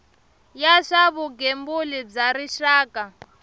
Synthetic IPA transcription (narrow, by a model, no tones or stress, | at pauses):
jaʂaβuɡembulib͡ʐaɾiʃaːka